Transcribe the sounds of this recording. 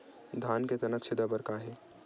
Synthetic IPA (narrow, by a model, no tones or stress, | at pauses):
d̪ʱaːnket̪ɐnəksɪd̪abɐɾkaːɦeː